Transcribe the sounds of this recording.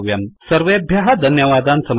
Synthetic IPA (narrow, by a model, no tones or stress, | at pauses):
ʋjɐnsɐɾʋeːɐbʱjɐɦɐd̪ʱɐnjɐʋaːd̪aːnsɐm